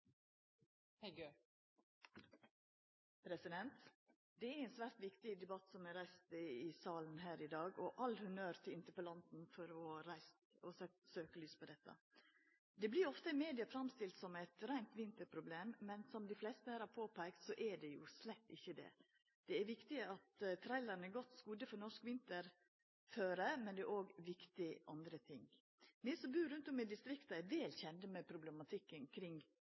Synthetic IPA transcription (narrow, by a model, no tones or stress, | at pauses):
pʰɾɛsɪd̪ɛnt̪ | d̪ɛæɾɛɪnsʋæːɾʈ̪ʋɪkt̪ɪd̪ɛbɑt̪ːsɔmɛɾæɪst̪əɪsɑːlənɦæːɾɪd̪ɑːɡɔʔɑlːhʉnøːɾt̪ʰɪɪnt̪əpɔlɑnt̪n̩fɔɾɔɾæɪst̪ɔsøsøːkəlyːspʰɔd̪ɛt̪ːɑ̰ | d̪ɛblɪɾɔft̪əɪmeːd̪ɪɑfɾɑmst̪ɪlt̪sɔmɛɪt̪ɾæɪnt̪ʋɪnt̪əɾpʰɾʊbleːmːɛnsɔmd̪ɪflɛst̪əhæːɾhɑɾpʰoːpʰæɪkt̪sɔʔɛɖɛjʊ̰slɛt̪ːɪ̰çːəd̪ɛ̰ | d̪̥ɛæɾʋɪkt̪ɪəɑt̪t̪ʰɾæɪlɑɾnəɡɔt̪ːskuːd̪əfɔɾnɔʂkʋɪnt̪əɾ | føːɾəmɛnd̪ɛʔoːɡʋɪkt̪ɪʔɑ̰nd̪ɾət̪ʰɪŋ | mɪsɔbʉːɾʉnt̪ʊmɪd̪ɪst̪ɾɪkt̪ɑɛɾʋɛːlçɛnd̪əmɛpʰɾʊblɛmɑt̪ʰɪkːənkʰɾɪŋ